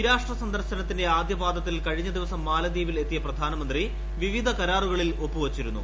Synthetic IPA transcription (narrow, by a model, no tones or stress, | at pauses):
iɾaːʂʈrɐsɐnd̪ɐrɕɐnɐt̪ːinde̞aːd̪jɐbaːd̪ʱɐt̪ːilkɐɻiɲːɐd̪iʋɐsɐmːaːlɐd̪iːʋile̞t̪ːijɐprɐd̪ʱaːnɐmɐnd̪ri | ʋiʋid̪ʱɐkɐɾaːruɣɐɭilo̞pːuʋɐt͡ɕːiɾunːṵ